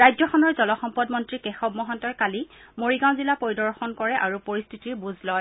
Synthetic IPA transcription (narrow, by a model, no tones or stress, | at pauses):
ɹajzɔxɔnɔɹzɔlɔxɔmpɔdmɔntɹikɛxɔbmɔɦɔntɔjkalimoɹiɡãw̃zilapoɹidɔɹxɔnkɔɹɛʔaɹupoɹistʰitiɹbuzlɔj